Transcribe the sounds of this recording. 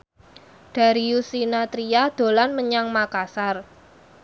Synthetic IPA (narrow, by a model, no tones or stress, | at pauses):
d̥a̤ɾiusinat̪ɾiad̪̥o̤lanməɲaŋmakasar